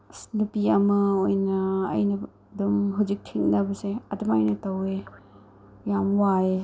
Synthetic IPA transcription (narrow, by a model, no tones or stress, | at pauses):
snupiɐmɐojnɐ̰ːjnɐ | dumɦawzik̚tʰiŋnɐbɐseɐdumajnɐtɐwe | jamwae